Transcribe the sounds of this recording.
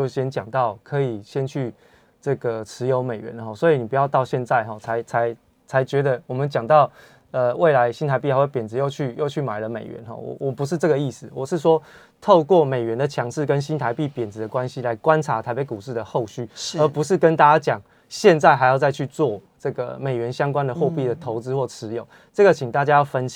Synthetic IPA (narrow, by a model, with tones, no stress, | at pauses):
t͡ɕjo˥˩ʊɕjɛ˦˥nt͡ɕjɑ˨˩ŋt̪ɑ˥˩ʊkʰɤ˧˥i˨˩ɕjɛ˦˥nt͡ɕʰy˥˩ | ʈ͡ʂɤ˥˩ɡə˩t͡sʰɻ̩˧˦jo˧˥ʊme˨˩ɪɥɛ̰˧˦nxɔ˥˩swɔ˧˥i˨ni˨˩pu˧jɑ˥˧ʊt̪ɑ˥˧ʊɕjɛ˥˧nt͡sa˥˧ɪɦɔ˥˨t͡sʰa˧˦ɪt͡sʰa˧˦ɪ | t͡sʰa˧˦ɪt͡ɕɥɛ˧˥d̪ə˧wɔ˨˩mə˨˦nt͡ɕjɑ˨˩ŋt̪ɑ˥˩ʊ | ə˨we˥˩ɪla˧˦ɪɕi˥nt̪ʰa˧˥p̬i˥˩ha˦˥wpjɛ˨˩nd͡z̩˧˦jo˥˧ʊt͡ɕʰy˥˩jo˥˧ʊt͡ɕʰy˥˩ma˨˩ɪlə˦mḛ˨˩ɪɥɛ̰˧˦nxɔ̰˥˩wɔ̰˨˩wɔ˨˩pu˧˥ʂ̬ɻ̩˥˧t͡sɤ˥˩ɡə˩i˥˩sɹ̩˨˩wɔ˨˩ʂɻ̩˥˩ʂ̬wɔ˥ | t̪ʰo˥˧ʊkwɔ˥˩me˨˩ɪɥɛ˧˦nd̪ə˨t͡ɕʰjɑ˧˦ŋʂɻ̩˥˩kə˦nɕi˦nt̪ʰa˧˦ɪpi˥˩pjɛ˨˩nt͡sɹ̩˧˦d̪ə˨kwa˦nɕi˦˥la˧˦ɪkwa˦nt͡sʰa˧˥t̪ʰa˧˥ɪpe˨˧˦ku˨˩ʂɻ̩˥˩d̪ə˩xo˥˧ʊɕy˥˩ə˨˧˥pu˧˥ʂ̬ɻ̩˥˨kə˦nt̪a˥˩t͡ɕa˥t͡ɕjɑ˨˩ŋ | ɕjɛ˥˧nt͡sa˥˩ɪɦa˧˥ɪjɑ˥˧ʊt͡sa˥˧ɪt͡ɕʰy˥˧t͡swɔ˥˨ʈ͡ʂɤ˥˩ɡə̰˩me˨˩ɪɥɛ˧˦nɕjɑ˥ŋkwa˦nd̪ə˨xwɔ˥˧pi˥˩d̪ə˩t̪ʰo˧˦ʊt͡sɹ̩˥˦xwɔ˥˩ʈ͡ʂʰɻ̩˧˦jo˨˩˦ʊ | t͡sɤ˥˩ɡə˨˩t͡ɕʰi˨˩ŋt̪a˥˩t͡ɕja˥˦jɑ˥˩ʊfə˦nɕ